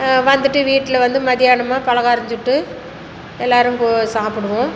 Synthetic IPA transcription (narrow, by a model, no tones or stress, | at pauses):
ʋɐnd̪ɯʈːɯʋiːʈːɪlɐʋɐnd̪ɯmɐðɪjaːnɐmaːpɐɭɐɣaːɾɐɲd͡ʒɯʈːɯ | ɛlːaːɾɯmposaːpɯɽɯʋʊ̃